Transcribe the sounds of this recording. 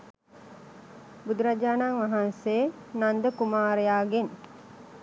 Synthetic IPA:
bud̪uɾad͡ʒaːnaŋʋaɦanse | nand̪əkumaːɾejaːɡen

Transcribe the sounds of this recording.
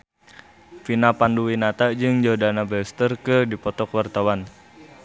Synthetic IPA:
finapanduwinat̪ad͡ʒɨŋd͡ʒadanabɛst̪ərkɨrdipɔt̪ɔkwart̪awan

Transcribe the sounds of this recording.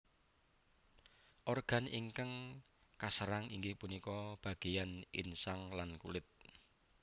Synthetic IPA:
ʔɔrɡ̥a̤niŋkaŋ | kasəɾaŋiŋɡɪhpunikɔb̥a̤ɡ̥e̤janḭnsaŋlankulɪt̪̚

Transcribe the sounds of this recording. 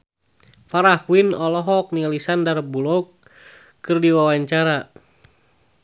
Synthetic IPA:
faɾahwinɔlɔɦɔk̚nialisandarbulɔkː | ɨrdiwawaɲt͡ʃaɾa

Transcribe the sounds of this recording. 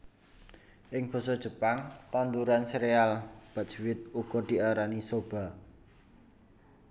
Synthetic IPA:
ʔɪŋb̥ɔ̤sɔd̥ʒ̥ə̤paŋt̪and̪uɾanseɾealb̥a̤ʔ̚ʒ̥wɪt̪̚uɡ̥ɔd̪̥i̤aɾanisob̥a̤

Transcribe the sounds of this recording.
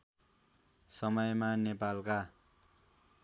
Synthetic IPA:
sʌmʌjmanepalka

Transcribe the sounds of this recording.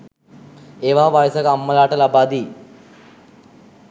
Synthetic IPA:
eʋaʋajsəkamːəlaʈəlabad̪iː

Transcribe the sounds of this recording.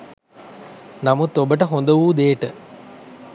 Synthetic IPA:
namut̪ːobəʈəɦond̪əʋuːd̪eːʈə

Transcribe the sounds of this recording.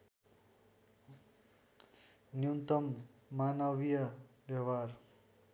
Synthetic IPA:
njunt̪ʌmːanʌwijʌbjʌwar

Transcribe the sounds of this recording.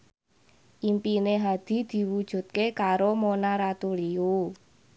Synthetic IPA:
ʔimpineɦad̪̥i̤d̪̥i̤wud̥ʒ̥ṳt̪̚kekaɾomonaɾat̪uliu

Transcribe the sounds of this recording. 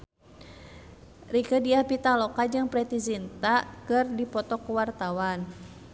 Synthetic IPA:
rikədiahpit̪alɔkad͡ʒɨŋpɾɛt̪izint̪akɨrdipɔt̪ɔkuwart̪awan

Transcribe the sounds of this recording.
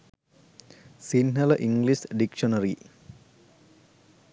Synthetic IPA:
sinɦɐləʔiŋɡlisɖikʃonɐɾi

